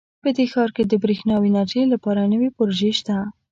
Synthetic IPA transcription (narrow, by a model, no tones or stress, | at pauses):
pəd̪exɑɾked̪əbɾixnɑwinɑʈəlapɑɾanəwepʊɾoʒeʃt̪a